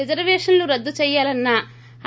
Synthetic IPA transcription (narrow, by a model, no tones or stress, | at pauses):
ed͡ʒɐɾʋɛːʂɐnluɾɐd̪ːut͡ʃɛːjːaːlɐnːɐ